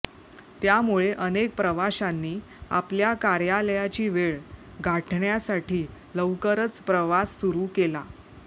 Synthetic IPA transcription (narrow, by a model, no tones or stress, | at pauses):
t̪jamuɭeʔənek̚pɾəʋaɕanːiː | a̰pljakaɾjaləjat͡ɕiːʋeɭ | ɡʱaʈʰɳjasaʈʰiː | ləʋkəɾət͡spɾəʋasːuɾukela